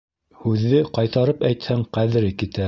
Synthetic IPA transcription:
hʉðːɘqɑjt̪ɑɾɤpæjt̪hæŋqæðɘ̆ɾɘkit̪æ

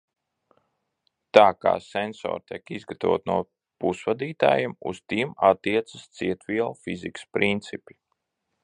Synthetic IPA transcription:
t̪aːka̰ːsɛnsɔ̰ːɾt̪iɛkizɡat̪avo̰ɔːt̪nuɔ | pusvad̪iːt̪a̰ːjimṵst̪imat̪ːiɛt̪sə̥st̪siɛt̪viɛlˠfizikspɾʔint̪sipʲi̥

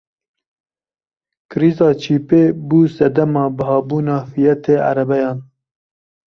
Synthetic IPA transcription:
kɨɾiːzɑːt͡ʃʰiːpeːbuːsɛd̪ɐmɑːbɨhɑːbuːnɑːfijɛt̪ʰeːʔa̰ɾɛbɛjɑːn

